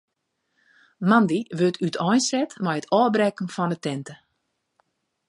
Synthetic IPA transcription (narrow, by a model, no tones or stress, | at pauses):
mandiʋøtʰytʰɔjnsɛtmɛjətʰɔːbrɛkən̩fɔndətɛntə